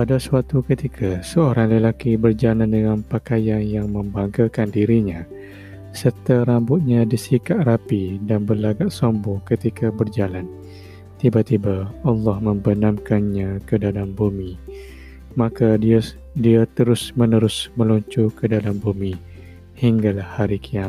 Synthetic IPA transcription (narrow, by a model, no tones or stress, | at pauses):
padasəwat̪ukət̪ikʰasəoɾaŋləlakibərd͡ʒalandəŋanpakajanjaŋmə̃mbaŋɡakandiɾiɲã | sərt̪aɾambʊt̪̚ɲãdisikaʔrapidanbəlaɡaʔsɔmbɔkət̪ikabərd͡ʒalan | t̪ibat̪ibaɑlˠːɑhmə̃mbənamkanɲakədalambumi | maka | diat̪əɾʊsmənəɾʊsmə̃luɲt͡ʃukədalambumi | hiŋɡalahaɾikʰia